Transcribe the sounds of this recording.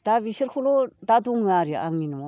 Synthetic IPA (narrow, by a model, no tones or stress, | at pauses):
d̥abisiɾkʰulodaduŋːɯaɾiʔa̰ŋinu